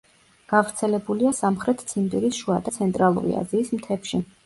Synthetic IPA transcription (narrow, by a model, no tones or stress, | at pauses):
ɡ̥avɾt̪sʰɛlɛbuliasamχɾɛt̪ʰt̪sʰind̪iɾisʃuad̪at̪sʰɛnt̪ʼɾalˠṵɾḭa̰ziːsmt̪ʰɛpʃi